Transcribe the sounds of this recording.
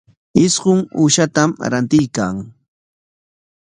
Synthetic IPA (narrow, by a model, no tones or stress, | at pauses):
ɪsɢʊŋuːʃat̪amɾant̪ɪjkaŋ